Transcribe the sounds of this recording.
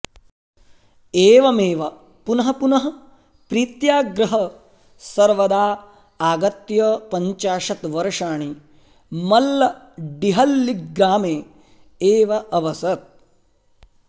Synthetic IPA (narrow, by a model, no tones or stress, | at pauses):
eːʋɐmeːʋɐ | punɐɦɐpunɐɦɐ | pɾiːt̪jaːɡɾɐɦɐ | sɐɾʋɐd̪aː | aːɡɐt̪jɐpɐɲt͡ʃaːʂɐt̪ʋɐɾɐʂaːɳi | mɐlːɐ | ɖiɦɐlːiɡːaːmeː | eːʋɐʔɐʋɐsɐt̪̚